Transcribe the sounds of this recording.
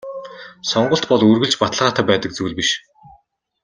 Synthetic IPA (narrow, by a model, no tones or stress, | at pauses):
sɔɴɢə̆ɬt̪pɔɮɵrɣɘ̆ɮt͡ɕpat̪ə̆ɮʁaːt̪ʰaːpæːt̪ə̆k̚t͡suwɮpiʃ